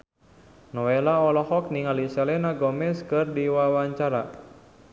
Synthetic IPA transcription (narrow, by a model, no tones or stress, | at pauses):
nɔelaɔlɔhɔk̚niŋaliselɛnaɡɔmɛskɨrdiwawaɲt͡ʃaɾa